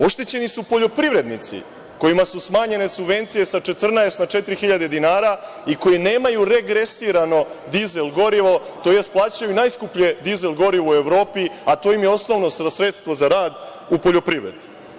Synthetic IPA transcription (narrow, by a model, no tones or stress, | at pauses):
o̞ʃt̪et͡ɕenisupo̞ʎo̞pɾiʋɾe̞d̪nit̪sḭ | ko̞jimasusmaːɲe̞ne̞subʋe̞nt̪sije̞sat͡ʃe̞t̪r̩naest̪nat͡ʃe̞t̪ɾixiʎad̪e̞d̪inaːɾa | iko̞jine̞ːmajuɾe̞ɡɾesiɾano̞d̪izelˠɡo̞ɾiʋo̞t̪o̞ːjest̪̚plˠaːt͡ɕajuinajskupʎe̞d̪izelɡo̞ɾiʋoue̞ʋɾo̞ːpiat̪o̞jimjeo̞sno̞ʋno̞ssɾe̞t̪st̪ʋo̞zaɾaːd̪ | upo̞ʎo̞pɾiʋɾḛd̪u